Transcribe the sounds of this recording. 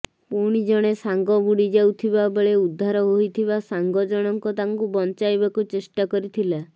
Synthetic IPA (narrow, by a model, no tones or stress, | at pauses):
puɽ̃id͡ʒɔɽ̃esaŋɡɔbuɽid͡ʒawt̪ʰibabeɭeud̪ʱːaɾɔɦojt̪ʰiβasaŋɡɔd͡ʒɔɽ̃ɔŋkɔt̪aŋkubɔnt͡ʃajbakut͡ʃesʈakɔɾit̪ʰila